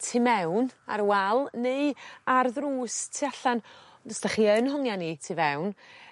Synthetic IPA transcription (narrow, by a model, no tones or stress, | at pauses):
tʰimɛwna̰ɾwɛlˠneɨarðruːstʰiaɬan | dɔsd̥aχiːənɦɔŋjanitʰivɛwn